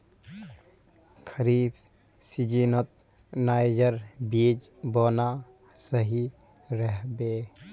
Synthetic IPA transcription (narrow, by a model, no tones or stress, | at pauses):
kʰəɾiːb | sid͡ʒiːnət̪̚ | naːjd͡ʒəɾbiːd͡ʒ | boːna | səɦi | ɾəɦbeː